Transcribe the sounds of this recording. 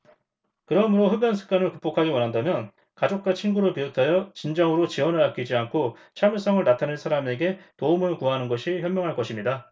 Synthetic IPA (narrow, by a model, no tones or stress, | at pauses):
kɯɾʌmɯɾoɸɯbjʌnsʰɯ̥k͈anɯɭkup͈okʰaɡiwʌnɦandamjʌn | kad͡ʑok̚k͈at͡ɕʰinɡuɾɯɭpiotʰajʌt͡ɕind͡ʑʌŋɯɾot͡ɕiwʌnɯɾak͈id͡ʑiankʰot͡ɕʰamjuɭs͈ʌŋɯɭnatʰanɯnsʰaɾame̞ɡe̞toumɯɭkuanɯnɡʌɕʰiçjʌmjʌŋɦaɭkʌɕʰimɲida